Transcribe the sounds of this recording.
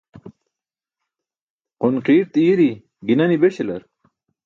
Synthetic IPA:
qunqiːɾt̪iːɾi | ɡinɐnibeɕelɐ̰ɾ

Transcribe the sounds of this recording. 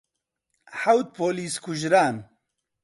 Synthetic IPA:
ħawt̪̚pʰoːliːskʰʊʒɾaːn

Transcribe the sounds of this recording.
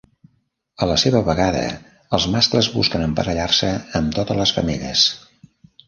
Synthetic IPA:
ələseβəβəɣaðə̰ | əlˠzmaskləzβṵskənəmpəɾəʎarsəːmt̪ot̪ələsfə̰miʎə̰s

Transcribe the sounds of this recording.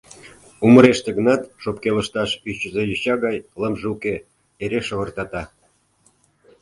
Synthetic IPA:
uməɾeʃt̪ĕɣə̆nɑt̪ʃopkelə̆ʃt̪ɑʃyt͡ɕəzejəɕɑɣɑjləmʒeuke | eɾeʃə̆βə̆rt̪ɑt̪ɑ

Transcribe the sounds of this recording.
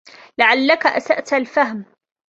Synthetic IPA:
laʕalːakaʔa̰saʔt̪alfahm

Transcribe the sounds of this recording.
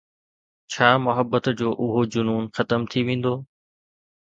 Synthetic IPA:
t͡ɕʰaːmʊɦəbːət̪d͡ʑoːʔʊɦod͡ʑʊnuːnxɐt̪əmt̪ʰiʋẽːn̆d̪oː

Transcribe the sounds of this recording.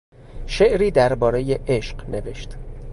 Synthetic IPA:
ʃe̞ʔɾiːd̪æɾbɒːɾe̞jeʔeʃqne̞ve̞ʃt̪

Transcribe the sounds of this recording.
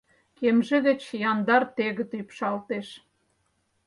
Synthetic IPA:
kemʒĕðet͡ɕjɑnd̪ɑrt̪eɣə̆t̪ypʃɑlt̪eʃ

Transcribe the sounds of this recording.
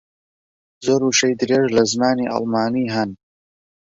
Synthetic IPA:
zoːɾuːʃejd̪ɨɾeːʒlɐznaːniːʔɐ̰lmaːniːɦɐn

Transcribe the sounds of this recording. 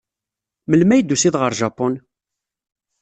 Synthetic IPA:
məlmæjd̪ːusiðʁəɾˤʒɑpʊn

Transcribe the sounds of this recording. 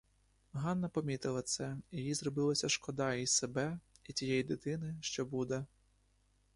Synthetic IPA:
ɦɑnːɐpɔmʲit̪ɪlˠɐt̪sɛijʲizɾɔbɪlˠɐsʲɐʃkɔd̪ɑissebɛit͡sʲijɛjid̪ɪt̪ɪnɪʃt͡ʃɔbud̪ɛ

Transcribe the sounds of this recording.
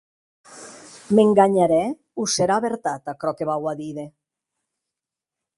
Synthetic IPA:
meŋɡaɲaɾɛ | useɾaːβeɾt̪at̪akɾɔkeβawaðiðe

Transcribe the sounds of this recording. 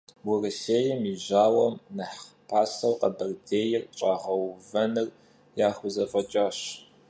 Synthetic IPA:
wʊrɐseːjɐmiʑaːwɐmnɐħpʰaːsɐwqɐbɐrdeːjɪrt͡ʃʼaːʁɐwvɐnɨr | jaːχʷʊzɐfʼɐt͡ʃʼaːɕ

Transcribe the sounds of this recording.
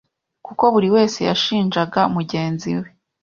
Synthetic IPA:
kuko̞βuɾiwe̞ːse̞ja̰ʃiːnʒaɡaumuɟe̞ːnzḭwe

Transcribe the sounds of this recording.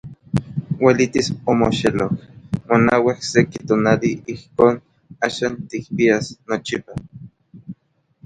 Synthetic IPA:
welit̪isomoʃelokmonawihsekit̪oːnaliihkoːn | aːʃaːnt̪ik̚piasnot͡ʃipa

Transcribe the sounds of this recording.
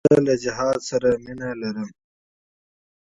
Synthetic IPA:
alad͡ʒɪɦɑːd̪saɾaminalaɾəm

